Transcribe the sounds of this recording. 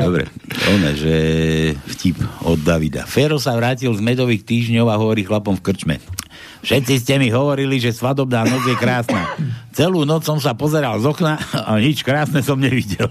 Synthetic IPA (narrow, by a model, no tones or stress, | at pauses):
d̪ɔbɾɛ̰ɛ̰nɛ̰ʒɛ | fcipɔd̪ːaʋid̪a̰fɛɾɔsaʋɾaːcilzmɛd̪ɔʋiːxt̪iːʒɲɔʊaɦɔʋɔɾiːxlapɔmfkr̩t͡ʃmɛ̰ | fʃɛt̪t͡sis̬cɛmiɦɔʋɔɾiliʒɛsʋad̪ɔbnaːnɔd͡zjɛkɾaːsnaːt͡sɛluːnɔt͡ssɔmsapɔzɛɾalzɔknaaɲit͡ʃkɾaːsnɛsɔmɲɛʋiɟɛɛl